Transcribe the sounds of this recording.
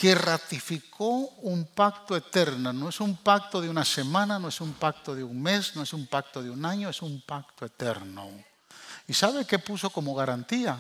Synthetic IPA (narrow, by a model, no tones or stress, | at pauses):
kerat̪ifikʰoumpak̚t̪oet̪eɾnonoesumpak̚t̪oðeunasemãnanoesumpak̚t̪oðeuŋmesnoesumpak̚t̪oðeunaɲoesumpakt̪oe̞t̪eɾno̰ | isaβekepusokomoɣaɾant̪ia